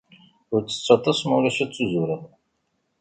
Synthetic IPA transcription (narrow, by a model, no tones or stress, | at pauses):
ʊɾt͡sːə̥t͡sːɑt̪ˤɑsmuɾæʃæt͡sːuzuɾəð